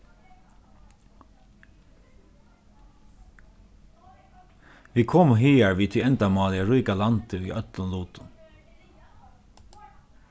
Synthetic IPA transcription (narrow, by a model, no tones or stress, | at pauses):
ʋiːkʰɔmɦiːæɹʋiːt̪ʰɪɛnt̪ɑmɑːlɪəɹuːkalɑnt̪əḭːʔœt̪lənluːt̪ʊ